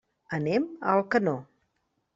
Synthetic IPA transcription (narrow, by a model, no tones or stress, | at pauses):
əneməlˠkəno